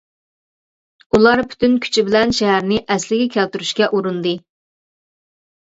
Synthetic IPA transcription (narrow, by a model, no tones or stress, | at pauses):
ulˠɑɾpʰy̥t̪ynkʲʰy̥t͡ʃʰibɪlɛnʃɛɦæɾnɪʔɛslɪɡʲɛkʲʰælt̪yɾyʃkʲɛʔuɾund̪ɨ